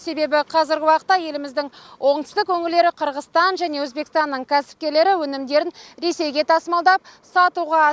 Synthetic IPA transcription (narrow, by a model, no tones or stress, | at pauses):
se̞be̞bɪqʰɑzɪɾɡʲɪwɑqə̥t̪ːɑje̞lɪmɪzd̪ɪŋwʔo̞ɴt̪ə̥st̪ɪkʰɵŋʲɪld̪e̞ɾɪqʰəɾʁəst̪ɑnʒæne̞wɵzbe̞kʲɪst̪ɑnːəɴkʲʰæsɪ̥p̚kʲe̞ɾle̞ɾɪwɵnɪmd̪e̞ɾɪnɾe̞se̞jɡʲet̪ʰɑsmɑlˠd̪ɑp̚sɑt̪uʁɑ